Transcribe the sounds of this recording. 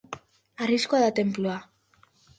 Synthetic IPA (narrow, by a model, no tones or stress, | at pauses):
ariskoaðat̪e̞mploa